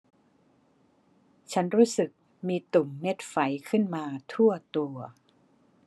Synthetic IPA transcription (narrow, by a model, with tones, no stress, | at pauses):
t͡ɕʰa˦˥nɾuː˦˥sɯ˨˩k̚ | miː˧t̪u˨˩mːe˦˥t̪̚fa˩˦jkʰɯ˥˩nmaː˧t̪ʰu˥˩ɐt̪u˧ɐ